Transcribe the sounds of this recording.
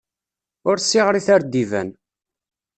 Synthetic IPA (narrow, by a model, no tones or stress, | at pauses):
ʊɾsːiʁɾiθaɾd̪ivæ̰n